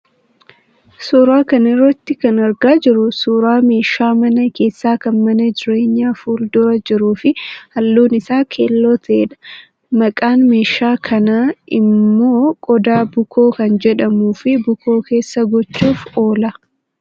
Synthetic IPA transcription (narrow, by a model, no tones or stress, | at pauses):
suːɾaːkɐnɪrːɐt̪ːɪkɐnɐɾɡaːd͡ʒɪɾʊsuːɾaːme̞ːʃaːmɐnɐke̞ːsːaːkɐnmɐnɐd͡ʒɪɾeːɲːaːfuːld̪ʊɾɐd͡ʒɪɾuːfɪhɐlːuːnɪsaːkʰḛːlːoːt̪ʰɐʔeːᶑɐ̥ | mɐkʼaːnme̞ːʃːaːkʰɐnaɪ̰mːo̞ːkʼɔd̪aːbʊkʰo̞ːkɐnd͡ʒɛᶑɐmuːfɪbʊkʰo̞ːke̞ːsːɐɡɔt͡ʃːuːfoːlɐ